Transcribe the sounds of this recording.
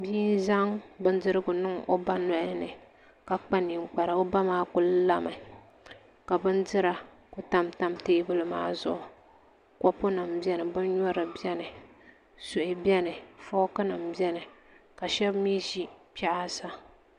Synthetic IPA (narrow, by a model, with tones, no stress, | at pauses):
biː˦n˦za˦ŋbɨ˦ndɨ˦ɾɨ˦ɡʊ˨nɨ˦ŋo˦ba˦nɔ˦ʔɪ˦nɨ˨ | ka˨k͡pa˦ni˨ŋ͡m̩˦k͡pa˨ɾa˨o˦ba˦maː˦kʊ˦lla˦ma˨ | ka˨bɨ˦ndɨ˦ɾa˨ | kʊ˨ta˦mta˦mteː˦bɨ˦lɨ˦ma̰ː˦zʊ̰˦ʔʊ˨ | kɔ˦pʊ˦na˨mbjɛ˦nɨ˨bɨ˦nɲɔ˦ɾɨ˨bɛ˦nɨ˨ | sʊ˨ʔɪ˨bjɛ˦nɨ˨fɔ˦kɨ˦na˨mbɛ˦nɨ˨ka˨ʃɛ˦bmi˦ʒi˦pɛ˦ʔa˦sa˦